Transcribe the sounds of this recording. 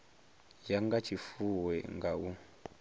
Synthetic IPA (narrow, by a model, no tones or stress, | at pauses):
jaŋɡat͡ʃʰifuwɛŋɡau